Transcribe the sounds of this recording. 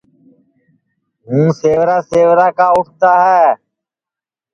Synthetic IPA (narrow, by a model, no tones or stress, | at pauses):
ɦũːseːʋɾaːseːʋɾaːkaːʊʈʰt̪aːɦɛː